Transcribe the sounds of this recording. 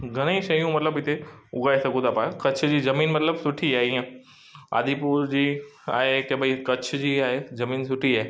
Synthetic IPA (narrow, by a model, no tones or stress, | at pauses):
ɡʱɐɽ̃əiʃɐjũmɐt̪ləbɪt̪ʰeʊɡʱaːesɐɡũt̪ʰapãkɐt͡ɕʰd͡ʑiːzɐmiːnmɐt̪ləbsʊʈʰiaːɦeijã | a̰ːd̪ʱipuːɾd͡ʑiːa̰ːɦekebəikɐt͡ɕʰd͡ʑiːaːɦezɐmiːnsʊʈʰiaːɦe